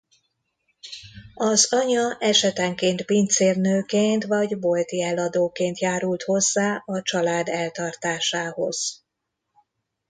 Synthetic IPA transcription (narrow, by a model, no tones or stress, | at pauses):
ɒzɒɲɒʔɛʃɛt̪ɛŋkeːnt̪pint̪seːrnøːkeːnt̪ʋɒɟbolt̪iɛlɒd̪oːkeːnt̪jaːɾult̪ho̞zːaːɒt͡ʃɒlaːd̪ɛlt̪ɒrt̪aːʃaːho̞̰z̥